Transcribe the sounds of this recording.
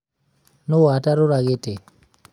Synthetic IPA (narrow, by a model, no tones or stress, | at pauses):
noataɾoɾaɣete